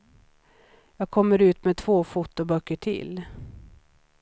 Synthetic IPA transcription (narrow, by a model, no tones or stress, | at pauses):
jɑːɡ̚kʰɔmːəɾʉ̟ːt̪mɛt̪ʰvoːfʊt̪ːʊbœkːəʈʰɪ̰l